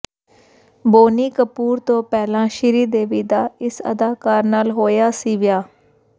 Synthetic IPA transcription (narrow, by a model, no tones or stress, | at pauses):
boːniːkəpuːɾt̪õːpɛːlãːʃɪɾiːd̪eːʋiːd̪aːɪsə̰d̪aːkaːɾnaːlɦoːjaːsiːʋɪjaː